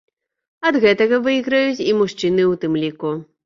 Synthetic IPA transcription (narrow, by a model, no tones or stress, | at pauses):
ɐd̪ɣɛt̪ɐɣɐvɨɣɾɐjut͡sʲimuʂt͡ʂɨnɨwt̪ɨmlʲiku